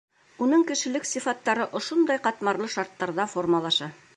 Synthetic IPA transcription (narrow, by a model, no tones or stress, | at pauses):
unɤŋkɘ̆ʃɘ̆lɘksifɑt̪ːɑɾɤʔŏʃond̪ɑjqɑt̪mɑɾlˠɤʃɑɾt̪ːɑɾðɑfo̞rmɑlˠɑʃɑ